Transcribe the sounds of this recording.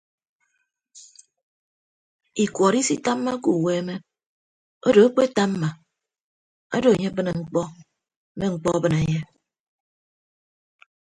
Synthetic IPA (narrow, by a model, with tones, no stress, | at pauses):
i˨kwɔ˨ɾi˦si˦ta˦m̩ː˦a˦ku˨we˦me˦ | o˦do˨e˦k͡pe˦ta˦m˦ma˨ | a˦do˨e˨ɲe˦bɨ˦ne˨ŋ͡m̩˨k͡pɔ˦ | me˦ŋ͡m̩˨k͡pɔ˦a˦bɨ˨ne˨ɲe˦